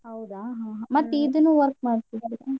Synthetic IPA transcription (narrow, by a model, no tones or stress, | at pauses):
ɦɐwd̪aːɦãːɦãmɐt̪ːid̪unːuːʋɐɾk̚maːɖt̪id̪ɐɾe